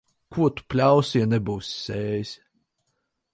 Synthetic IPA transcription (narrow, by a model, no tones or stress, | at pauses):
kʰuɔt̪u̥pʲlʲawsjanɛbuwsʲsʲɛːjsʲ